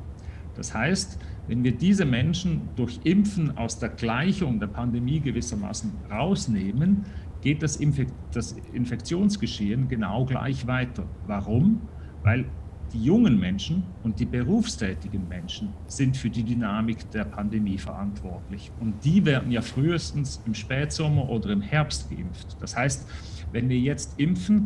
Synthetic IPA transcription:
d̥a̰shaɪstvɛnviːɐdiːzəmɛnʃn̩d̥ʊɐçʔɪmfn̩a̰ʊsd̥eːɐɡlaɪçʊŋdeːɐpʰandemiːɡəvɪsɐma̰ːsn̩ | ʁaʊsneːmənɡ̥eːt̚d̥asd̥as | ɪ̰nfɛkt͡sjoːnsɡ̥əʃeːənɡəna̰ʊɡla̰ɪçv̥aɪtʰɐvaʁʊm | vaɪl | d̥iːjʊŋənmɛnʃn̩ʊnt̚d̥iːbəʁuːfstʰɛːtɪɡən̩mɛnʃn̩ | z̥ɪntfyːɐdiːdynaːmɪkd̥eːɐpʰandemiːfɛɐʔantv̥ɔɐtlɪç | ʊntd̥iːvɛːɐdn̩jaːfʁyːəstn̩sɪmʃpɛːtz̥ɔmɐʔoːdɐɪmhɛɐpstɡ̥əʔɪ̰mftd̥ashaɪst | vɛnviːɐjɛt͡stʔɪmfn̩

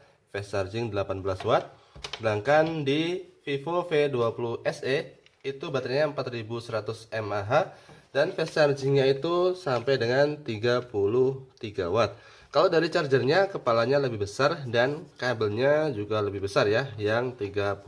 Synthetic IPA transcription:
fɛsard͡ʒɪŋdəlapanbəlaswat̪̚ | səlaŋkandififofeduapuluhʔɛse | it̪ubat̪aɲaəmpat̪ribusəɾat̪ʊsɛmaɦadanfɛsard͡ʒɪŋɲait̪usampajdəŋant̪iɡapulʊht̪iɡawat̪̚ | kaladaɾit͡ʃard͡ʒərɲakəpalaɲaləbɪhbəsardankabəlɲad͡ʒuɡaləbɪhbəsarjajaŋt̪iɡap

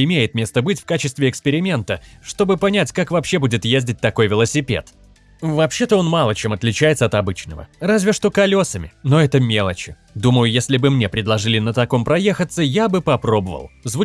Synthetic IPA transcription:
ɪmʲejɪt̪mʲe̞st̪əbɨtʲfkat͡ɕɪst̪vʲɪɪkspʲɪɾʲɪmʲe̞nt̪əʂt̪o̞bɨpɐnʲætʲkakvɐpɕːebudʲɪt̪jezʲdʲɪt̚ʲt̪ɐko̞jvʲɪlˠəsʲɪpʲe̞̰t̪ | vɐpɕːe̞t̪əo̞nmɑlˠət͡ɕemɐt̪lʲɪt͡ɕæjɪt̪səɐt̪ɐbɨt͡ɕnəvə̰razʲvʲɪʂt̪o̞kɐlʲo̞səmʲɪno̞ɛt̪əmʲe̞lˠət͡ɕɪ̥ | d̪uməjʊjesʲlʲɪbɨmnʲe̞pɾʲɪdlˠɐʐɨlʲɪnət̪ɐko̞mpɾɐje̞xət̪sːəjabɨpɐpɾo̞bəvə̰lˠzvu

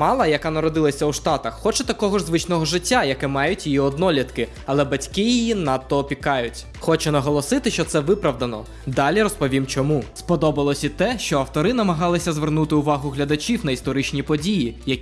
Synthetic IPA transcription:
mɑlˠɐjɐkɑnɐɾɔd̪ɪlˠɐsʲɐuʃt̪ɑt̪ɐxːɔt͡ʃɛt̪ɐkɔɦɔʒzʋɪt͡ʃnɔɦɔʒɪtʲːajɐkɛmɑjʊtʲjijiɔd̪nɔlʲit̪kɪ | ɐlˠɛbɐtʲkɪjijinɑt̪ːɔːpʲikɑjʊtʲ | xɔt͡ʃɛnɐɦɔlˠɔsɪt̪ɪʃt͡ʃɔt̪sɛʋɪpɾɐʋd̪ɐnɔ | d̪ɑlʲiɾɔspɔʋʲimt͡ʃɔmuspɔd̪ɔbɐlˠɔsʲit̪ɛʃt͡ʃɔɐwt̪ɔɾɪnɐmɐɦɑlˠɪsʲɐzʋernut̪ɪʊʋɑɦʊɦlʲɐd̪ɐt͡ʃʲiwnɐist̪ɔɾɪt͡ʃnʲipɔdʲijijɐ

